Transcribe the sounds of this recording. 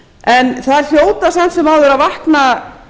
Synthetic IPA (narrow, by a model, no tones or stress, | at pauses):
ɛnθaðɛɾ̥l̥joːwt̪asɛn̥t̪sɛmawðʏɾaðvahkna